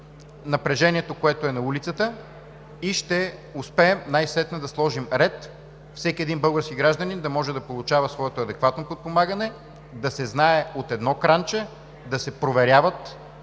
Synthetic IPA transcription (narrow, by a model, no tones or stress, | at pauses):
nɐpɾɛʒɛniɛt̪okoɛt̪oɛnɐulit̪sət̪ə | iʃt̪ɛʊspɛːmnajsɛt̪nəd̪ɐslˠɔʒimɾɛt̪ | fsɛkʲiɛd̪inbɤlˠɡəɾskiɡɾaʒd̪ənind̪ɐmɔʒɛd̪ɐpolˠut͡ʃavəsvɔɛt̪oɐd̪ɛkvat̪nopot̪̚pomaɡənɛ | d̪ɐsɛznaɛot̪ɛd̪nɔkɾant͡ʃɛ | d̪ɐsɛpɾovɛɾʲjavət̪